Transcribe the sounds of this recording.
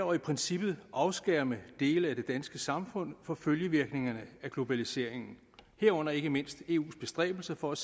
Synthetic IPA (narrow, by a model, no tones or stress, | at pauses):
ɐipʰʁɛnsib̥ð̩ˠʔɑ̈ʊsɡ̥æɐ̰məd̥e̝̰ːləæd̥e̝d̥ænsɡ̥əsɑ̈mfɔ̽n̰fɒ̽føljəʋiɐɡ̥ne̝ŋɐnəæɡ̥lo̝b̥ælise̝ɐ̰e̝ŋn̩ | hæɐ̰ɔ̽n̰ɐe̝ɡ̥əme̝n̰sd̥e̝̰ːṵːsb̥e̝sd̥ʁɛ̰ːb̥l̩sɐfɒ̽æ